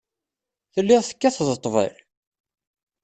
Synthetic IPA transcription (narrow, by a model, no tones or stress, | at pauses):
θəlːɪʁθə̥kːæθðət̪ˤːvə̰l